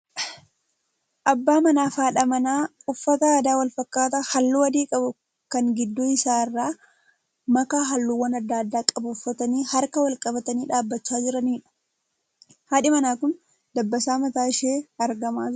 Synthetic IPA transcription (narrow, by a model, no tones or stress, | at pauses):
ʔɐbːaːmɐnaːfaːᶑɐmɐnaːʊfːɐt̪ɐaːd̪aːwɐlfɐkːaːt̪ɐhɐlːuːɐd̪iːkʼɐbʊ | kɐŋɡɪd̪ːoɪsaːɪrːaː | mɐkaːɦɐlːuːwɐnɐd̪ːaːd̪ːaːkʼɐbʊːfːɐt̪ɐniːhɐɾkɐwɐlkʼɐbɐt̪ɐniːᶑaːbːɐt͡ʃːaːd͡ʒɪɾɐniːᶑɐ̥ | haːᶑɪmɐnaːkʊn | d̪ɐbːɐsaːmɐt̪aːɪʃeːɐɾɡɐmaːd͡ʒ